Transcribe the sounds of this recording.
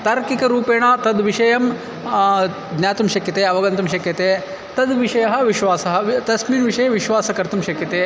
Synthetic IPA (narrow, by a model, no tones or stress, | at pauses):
t̪ɐːɾkikɐɾuːpeːɳɐt̪ɐd̪ʋiʂɐjɐm | d̪nʲjaːt̪umʃɐkjɐt̪eːɐʋɐɡɐnt̪ɐmʃɐkjɐt̪eː | t̪ɐd̪ʋiʂɐjɐɦɐʋiʃʋaːsɐɦɐt̪ɐsmiːnʋiʂɐjɐʋiʃʋaːsɐkɐɾt̪umʃɐkjɐt̪eː